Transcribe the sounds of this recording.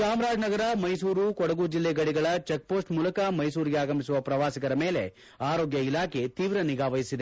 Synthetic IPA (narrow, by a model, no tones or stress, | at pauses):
saːmɾaːd͡ʒnɐɡɐɾɐmɐjs̬uːɾukɔɽɐɡuːd͡ʒilːeɡɐɽiɡɐɭɐt͡ʃek̚po̞ːsʈmuːlɐkɐmɐjsuːɾiɡeaːɡɐmisuʋɐpɾɐʋaːsikɐɾɐme̞ːle̞̰ | aːɾo̞ːɡjɐilaːkʰe̞t̪iːʋɾɐniɡaːʋɐjisid̪e